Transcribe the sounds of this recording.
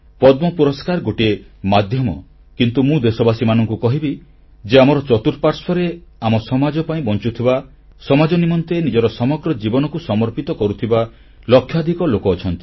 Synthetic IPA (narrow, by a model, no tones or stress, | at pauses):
pɔd̪mɔpuɾɔskaɾɡoʈiemad̪ʱjɔmɔ | kint̪umũd̪esɔbasimanɔŋkukɔɦibi | d͡ʒeamɔɾɔt͡ʃɔt̪uɾpaɾspʰɔɾeamɔsɔmad͡ʒɔpaĩbɔnt͡ʃut̪ʰiba | sɔmad͡ʒɔnimɔnt̪enid͡ʒɔɾɔsɔmɔɡɾɔd͡ʒibɔnɔkusɔmɔɾpit̪ɔkɔɾut̪ʰiba | lɔkʰjɔd̪ʱikɔlokɔːt͡ʃʰɔnt̪i̥